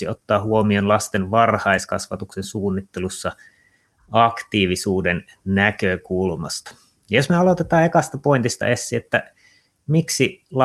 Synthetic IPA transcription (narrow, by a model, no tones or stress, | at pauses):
iot̪ːɑːhuomionlɑst̪enʋɑrhɑiskɑsʋɑt̪uksensuːnːit̪ːelusːɑ | ɑkt̪iːʋisuːden | nækøkulmɑ̰st̪ɑ̥ | josmeɑlot̪et̪ɑːekɑst̪æpoint̪ist̪ɑ̰ʔesːiet̪ːæ | miksilɑ